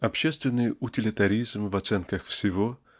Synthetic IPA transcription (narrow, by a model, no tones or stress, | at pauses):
ɐpɕest̪vʲɪnːɨjʊtʲɪlʲɪt̪ɐɾʲizmvɐt̪sɛnkəxfsʲɪvo